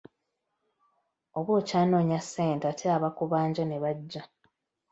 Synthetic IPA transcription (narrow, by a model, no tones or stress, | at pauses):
oβwo̞ːcaːno̞ːɲasːe̞ːnteatʰeaβakuβaːɲɟane̞βaɟːa